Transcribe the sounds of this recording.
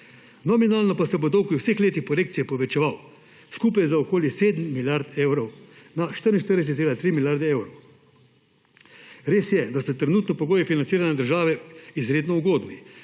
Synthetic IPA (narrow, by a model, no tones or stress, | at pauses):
nɔminaːlnɔpasɛpot̪ɔwkiwsexleːt̪ixpɔɾeːkt̪sijɛpɔʋɛt͡ʃɛʋaw | skuːpajzaokoːljɛseːd̪m̩ːiljaɾt̪ɛwɾɔwnaʃt̪əɾinʃt̪əɾd̪ɛs̬ɛt̪elat̪ɾiːmilʲjaɾd̪ɛewɾɔw | ɾeːsjɛd̪asɔt̪ɾɛnuːt̪nɔpɔɡoːjifinant̪siːɾanɛd̪əɾʒaːʋɛizɾeːd̪nɔuɡoːd̪ni